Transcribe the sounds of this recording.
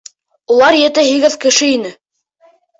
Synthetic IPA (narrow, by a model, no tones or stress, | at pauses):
ulˠɑɾjɘ̆t̪ɘɦiɡɘðkɘ̆ʃɘinɘ